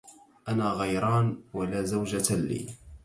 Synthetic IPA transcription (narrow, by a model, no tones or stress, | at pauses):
ʔanaːɣɑjɾˤɑːnwalaːzawd͡ʒalḭː